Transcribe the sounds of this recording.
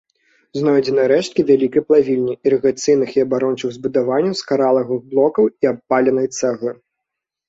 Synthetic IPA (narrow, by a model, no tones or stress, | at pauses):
znɔjd͡zʲɛnɐjɐɾɛʂt̪̚kʲivʲalʲikɐjplˠavʲilʲnʲiiɾɨɣat̪sɨjnɨxiɐbaɾɔnt͡ʂɨɣzbud̪avanʲːɐwskaɾalˠɐɣɨɣblˠɔkɐwiapːalʲɛnɐjt̪sɛɣlˠɨ